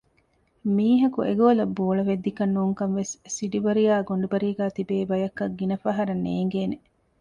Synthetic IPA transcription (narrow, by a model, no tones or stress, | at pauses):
miːɦɐkuʔeɡoːlɐbːoːɭɐʋed̪ːikɐnːuːŋkɐnʋessiɖibɐɾijaːɡoɳɖebɐɾiːɡæːt̪ibeːbɐjɐkːɐɡːinɐfɐɦɐɾɐnːeːŋɡeːne